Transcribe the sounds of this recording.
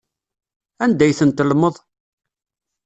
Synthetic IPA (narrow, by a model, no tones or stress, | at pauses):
ænd̪æjθənt̪əlməðˤ